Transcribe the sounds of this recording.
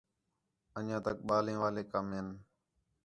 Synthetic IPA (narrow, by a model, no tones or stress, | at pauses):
əɲãːt̪ək̚ɓaːlẽːʋaːleːkəmɦɪn